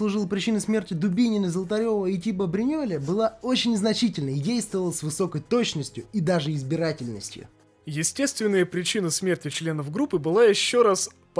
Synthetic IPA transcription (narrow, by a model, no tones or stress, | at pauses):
slˠʊʐɨlˠəpɾʲɪt͡ɕinɨsmʲe̞rtʲɪd̪ʊbʲinʲɪnəzəlˠt̪ɐɾʲo̞vəitʲipəbɾʲɪnʲolʲəbɨlˠao̞t͡ɕɪnʲznɐt͡ɕitʲɪlʲnədʲejst̪vəvəlˠəsvɨso̞kəjt̪o̞t͡ɕnəsʲtʲjʊid̪aʐɨɪzbʲɪɾatʲɪlʲnə̰sʲtʲjʊ̰ | jɪsʲtʲe̞st̪vʲɪnːəjəpɾʲɪt͡ɕinəsmʲertʲɪt͡ɕlʲe̞nəvɡɾupːɨbɨlˠajɪɕːoɾas | p